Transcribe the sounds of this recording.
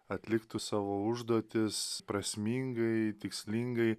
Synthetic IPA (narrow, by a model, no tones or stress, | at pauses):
ɐt̪ʲlʲɪkt̪ʊsɑːʋoːʊʒd̪oːt̪ʲɪspɾɐsʲmʲiːŋɡɐɪt̪ʲɪksʲlʲiŋɡɐɪ